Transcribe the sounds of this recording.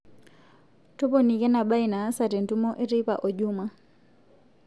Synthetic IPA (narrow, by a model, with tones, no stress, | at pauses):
tɔ˦pɔni˨kɛ˦na˨ɓa˦i˨na˨˦sa˨tɛ˨ntu˦mɔ˦ʔe˦ɾi˦pa̰˨ʔɔ˨ʄuma˨